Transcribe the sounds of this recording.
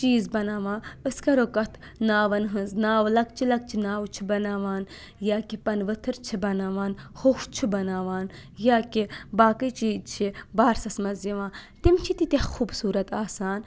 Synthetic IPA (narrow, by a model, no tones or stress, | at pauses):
t͡ʃiːzbɐnaːʋãːəskɐɾokɐt̪ʰ | naːʋɐnɦɨ̃nznaːʋlɐkt͡ʃʰilɐk̚t͡ʃʰinaːwt͡ʃʰibɐnaːʋaːn | jaːkipɐnʋɨt̪ʰɨɾt͡ʃʰibɐnaːʋaːnhoft͡ʃʰibɐnaːʋaːnjaːkibaːkɨjt͡ʃiːt͡ʃʰibaːɾsɐsmɐziʋãːt̪imt͡ʃʰit̪it̪ʲexuːbsuːɾɐt̪aːsaːn